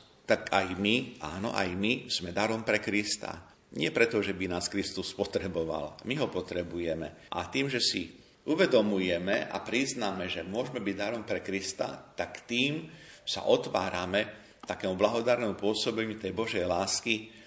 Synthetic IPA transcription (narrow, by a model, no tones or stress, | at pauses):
t̪akajmiʔa̰ːnɔ̰ʔa̰jmiz̥mɛd̪aɾɔmpɾɛkɾist̪a̰ | ɲɪɛpɾɛt̪ɔʒɛbinaːskɾist̪uspɔt̪ɾɛbɔʋa̰lmiɦɔpɔt̪ɾɛbujɛmɛ̰ʔa̰t̪iːmʒɛsi | uʋɛd̪ɔmujɛmɛʔa̰pɾiznamɛʒɛmʊɔʒmɛbiɟd̪aɾɔmpɾɛkɾist̪a̰t̪akt̪iːmsa̰ʔɔt̪ʋa̰ːɾamɛ | t̪akɛːmublaɦɔd̪aɾnɛmupʊɔsɔbɛɲut̪ɛjbɔʒɛjlaːski